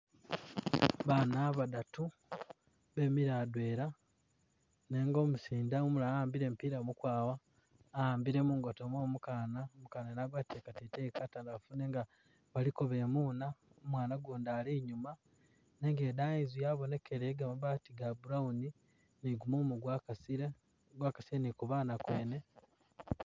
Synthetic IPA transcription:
βaːnaβadatu | βe̞miɾaːdwe̞ːɾa | ne̞ːŋɡo̞musiːndaumulaaːmbiɾe̞ːmpiɾamukwaːwaː | aːmbiɾe̞muŋɡotomoːmukaːnaomukaːnanaɡwatekatetekataːndafune̞ːŋɡa | βalikoβe̞muːnaomwaːnaɡoːndaːliɲuma | neŋɡeːdaːizujaβo̞ne̞kʰeɾeɡamaβaːtiɡabuɾauni | niɡumoːmuɡwakasiɾe | ɡwaːkasiɾenikuβaːnakwe̞ːne̞

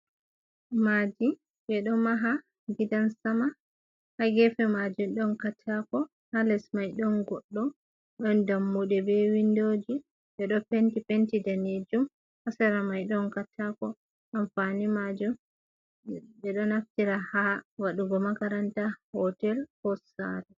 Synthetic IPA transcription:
mad͡ʒi | bɛɗɔmaɦa | ɡidansama | haɡɛfɛmad͡ʒumɗɔnkatʰːakɔ | halɛsmajɗɔnɡɔɗːɔ | ɗɔndamːuɗɛbɛwindoːd͡ʒi | ɓɛɗɔpentipentidaned͡ʒum | hasaɾamajɗɔnkatʰakɔ | ʔamfanimad͡ʒum | ɓɛɗɔnaftiɾahawaɗuɡɔmakaɾantahɔtɛlhɔsa̰ɾɛ

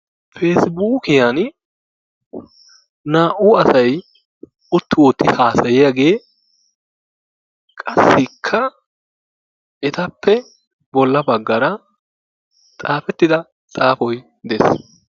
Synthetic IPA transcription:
fe̞ːsbuːkɪjan | naːʔʊɐsɐj | ʊt̪ːɪwɔt̪ːɪhaːsɐjɪjaɡe̞ː | kʼɐsːɪkʰːɐ | ɛt̪ɐpːɛ | bɔlːɐbɐɡːɐɾɐ | t̪ʼaːfɛt̪ːɪd̪ɐ | t̪ʼaːfɔj | d̪ɛs

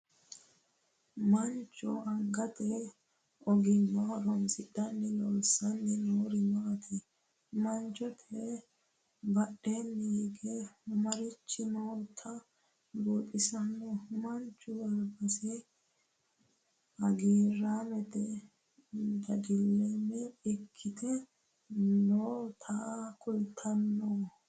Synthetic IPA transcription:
mɐnt͡ʃʼːɔɐŋɡɐt̪ɛ | ɔɡɪnːɔhɔɾɔmsɪɗɐnːɛlɔːsɐnːɛnoːɾɪnɐt̪ʰɪ | mɐnt͡ʃːɔt̪ʰɛ | bɐɗːenːɛɡɛʊmɐɾɪt͡ʃːɪnoːt̪ʰːɐ | boːt̪ʼɪsɐnːɛʊmɐnt͡ʃːʊbɐlbɐsɛ | ɐɡeːɾaːmɛt̪ɛ | d̪ɐɡɪlːɛːmːɛɛkʰːɪt̪ʰɛ | noːt̪ʰɐkʊjt̪ʰːɐnːoː

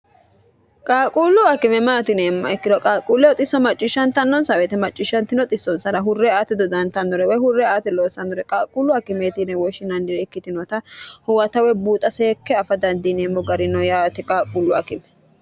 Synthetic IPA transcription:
kʼaːkʼuːlːʊɐkɪmɛmaːt̪ɪneːmːɐɛkːɪd̪ɔkʼaːkʼuːlːɛɔt̪ʼɪsːɔmɐt͡ʃʼːɪʃːɐnt̪ɐnːɔnsɐwɛt̪ɛmɐt͡ʃʼːɪʃːɐnt̪ɪnɔt̪ʼɪsːɔnsɐɾɐɦʊrːɛaːt̪ɛd̪ɔd̪ɐnt̪ɐnd̪ɔɾɛwɔjhʊrːɛaːt̪ɛloːsɐnːɔɾɛkʼaːkʼuːlːʊɐkɪmeːt̪ɪnɛwɔʃɪnɐnd̪ɪɾɛɛkːɪt̪ɪnɔt̪ɐhʊwɐt̪ɐwɛbuːt̪ʼɐseːkːɛɐfɐd̪ɐnd̪ɪneːmːɔɡɐɾɪnɔjaːt̪ɛkʼaːkʼuːlːʊɐkɪmɛ

